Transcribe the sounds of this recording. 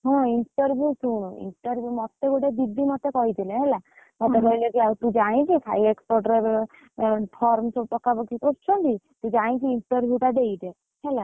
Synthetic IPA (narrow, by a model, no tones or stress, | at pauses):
ɦɔ̃iɳʈəɾbʱjusuɽ̃ḭɳʈəɾbʱjumɔt̪ːeɡoʈed̪id̪ʱːimɔt̪ːekɔɦit̪ilẽɦɛla | mɔt̪ekɔɦilekiawt̪ũd͡ʒaĩkikʰaiekspɔʈɾeb | pʰɔɾmsopɔkːabɔkit̪ot͡ʃʰɔd̪i | t̪ũd͡ʒaĩkiːɳʈəɾbʱjuʈ̪aɖ̪eid̪e | ɦɛla